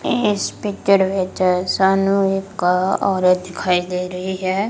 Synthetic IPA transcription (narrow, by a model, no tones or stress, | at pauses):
ɪspɪk̚t͡ʃəɾʋɪt͡ʃsaːnũɪkːaɔːɾəd̪ɪkʰaːid̪eːɾɐɦiɦɛː